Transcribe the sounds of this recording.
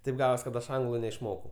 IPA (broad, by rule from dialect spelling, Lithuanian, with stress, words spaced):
ˈtɐɪp ˈɡɑːʋoːs kɐt ˈɐʃ ˈɐŋɡlˠʊ nʲɛɪʃˈmoːkɐʊ